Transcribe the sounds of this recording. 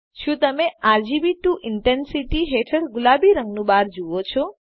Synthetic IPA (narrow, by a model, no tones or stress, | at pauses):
ʃũt̪əmeaɾd͡ʒibiʈũʔɪɳʈensiʈiɦeʈʰəɾɡʊlabiɾəŋɡnũbaɾd͡ʒuʋot͡ʃʰɔ